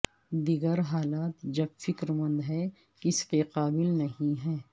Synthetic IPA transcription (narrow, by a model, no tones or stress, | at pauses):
d̪iɡəɾɦaːlaːt̪d͡ʒɐbfɪkɾmɐ̃nd̪ɦɛ | kɪskeqaːbɪlnɐɦĩɦɛː